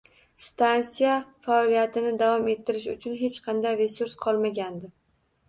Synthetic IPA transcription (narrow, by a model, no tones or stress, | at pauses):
st̪ansijafaɒlijat̪ʰɪnɪd̪avɒme̞t̪ʰːɪɾɪʃ̬ʊ̰t͡ʃʰʊnɦe̞t͡ʃqʰɑnd̪ajɾe̞suɾsqʰɒlˠmaɡʲand̪ɪ